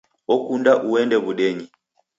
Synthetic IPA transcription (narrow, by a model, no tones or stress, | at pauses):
ɔkundaʔuɛndɛβuɗɛɲi